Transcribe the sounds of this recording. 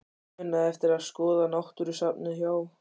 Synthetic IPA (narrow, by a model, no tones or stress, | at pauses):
ʏnːaðɛft̪ɪɾaðskɔːðanawht̪ʏɾʏsap̚nʏçjaːw